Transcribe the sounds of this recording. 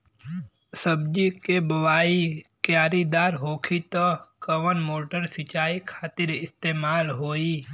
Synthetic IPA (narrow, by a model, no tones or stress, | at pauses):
səbd͡ʒikebɐʋaːikjaːɾid̪aːɾɦoːkʰit̪əkəʋənmoːʈəɾsɪt͡ʃaːikʰaːt̪ɪɾɪst̪eːmaːlɦoːiː